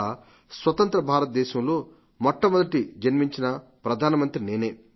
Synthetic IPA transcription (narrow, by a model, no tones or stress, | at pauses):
sʋɐt̪ɐnt̪ɾɐbʱaːɾɐt̪̚d̪ɛːʃɐmlo̞ː | mɔʈːɐmɔd̪ɐʈid͡ʒɐnmiɲt͡ʃinɐpɾɐd̪ʱaːnɐmɐnt̪ɾineːneː